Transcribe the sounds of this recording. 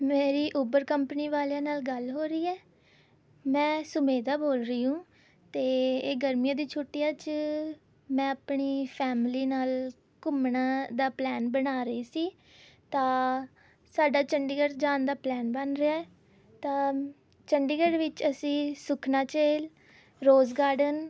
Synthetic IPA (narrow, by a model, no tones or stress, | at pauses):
meːɾiːʔuːbəɾkəmpəniːʋaːljaːnaːlɡəlɦoːɾəiːɛː | mɛ̃ːsʊmeːd̪aːboːlɾəiːũː | t̪eːeːɡəɾmɪjãːd̪iːt͡ʃʰoːʈːɪjaːt͡ʃ | mɛ̃ːəpɳiːpʰɛːmliːnaːl | kʊmnãːd̪aːplɛːnbənaːɾəiːsiː | t̪ãː | saːɖaːt͡ʃəɳɖiɡəɾd͡ʒaːnd̪aːplɛːnbənɾeaːɛː | t̪ãː | t͡ʃəɳɖiːɡəɖʋɪt͡ʃəsĩːsʊkʰnaːt͡ʃeːl | ɾoːzɡaːɖən